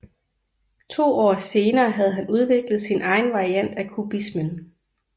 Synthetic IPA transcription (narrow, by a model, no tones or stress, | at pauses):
t͡sʰo̝̰ːɒ̰ːse̝ːnɐːɦæð̞̩ˠɦænuð̞ˠʋe̝ɡ̥lð̞̩ˠsinʔɑ̈ɪn̩ʋɑ̈ʁiæn̰d̥ækʰub̥ismən